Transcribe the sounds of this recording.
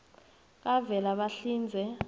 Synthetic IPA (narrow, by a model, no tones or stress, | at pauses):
k̬avɛlaɓaɬiːnd͡zʱɛ